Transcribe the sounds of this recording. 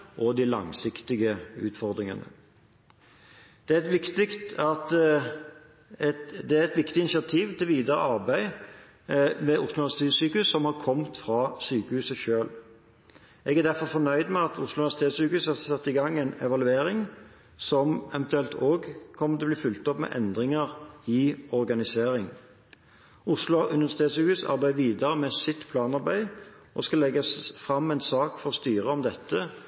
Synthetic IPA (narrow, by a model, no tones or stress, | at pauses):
ʔɔd̪ɪlɑ̰ŋsɪkt̪ɪɡəʉ̰ːt̪fɔʁd̪ɾɪŋə̰nə̰ | d̪̥ɛæɛt̪ʋɪkt̪ɪkt̪ɑt̪ | d̪ɛæɛt̪ʋɪkt̪ɪnɪsɪɑt̪ʰiːʋt̪ʰɪlʋiːd̪əɾə̰ʔɑʁbæɪ | mɛʔʊslʋæʁsɪ̥t̪ʰeːt̪syːkəʉsːɔmhɑɾkʰɔmt̪fʁɑsyːkəhʉːsəʃøːl | ʔɛɡæʁd̪æɾfɔɾfɔnœʏd̪mɛɑt̪ʊslʊʉnst̪ʰeːd̪sʉːkəhʉːshɑʁsɑt̪ːɪɡɑŋːɛɪnɛʋɑlʉeːɾɪŋ | sɔmɛʋɛnt̪ʉɛlt̪ʰoːɡkʰɔmːət̪ɛbliːfʉlt̪ɔpmɛ̰ʔɛnd̪ʁɪŋəʁɪɔɾɡɑnɪseːɾɪŋ | ʊslʊɑʔʉnəəst̪eːd̪sʉːkʉːsɑ̰ɾbæɪəʋiːd̪ɑɾəmɛsɪt̪ːpʰlɑːnɑɾbæɪ | ʔɔ̰skɑlɛɡɑsfʁɑmːɛɪnsɑːkfɔʁst̪yːʁəɔmd̪ɛt̪ːə